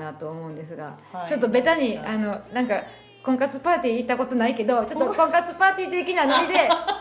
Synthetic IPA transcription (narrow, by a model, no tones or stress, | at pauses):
nat̪o̞ːmo̞ɯ̟nd̪e̞sɨɡa̰t͡ɕo̞t̪ːo̞be̞t̪aɲ̟iano̞nãŋka | kõ̞ŋkat͡sɨpaːt̪ʲiːt̪ːako̞t̪o̞naike̞d̪o̞t͡ɕo̞t̪ːo̞kõ̞ŋkat͡sɨpaːt̪ʲiːt̪ːekʲinanoɾʲid̪e̞